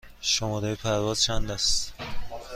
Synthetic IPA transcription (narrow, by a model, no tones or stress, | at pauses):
ʃomɒd̪ejepʰæɾvɒːz̥t͡ʃʰænd̪æst̪